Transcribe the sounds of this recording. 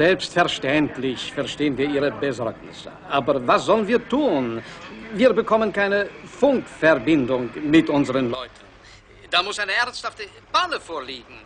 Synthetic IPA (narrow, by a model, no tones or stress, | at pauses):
zɛlpstfɛɐʃtɛntlɪçfɛɐʃteːənviːɐiːʁəbəzɔʁknɪ̰səʔaːbɐvasz̥ɔlənviːɐtʰuːnviːɐbəkʰɔmənkaɪnəfʊŋkfɛʁbɪndʊŋmɪtʔʊnzəʁənlɔʏtʰn̩ | d̥aːmʊsaɪnəɛɐnsthaftə | b̥aləfoːɐliːɡŋ̩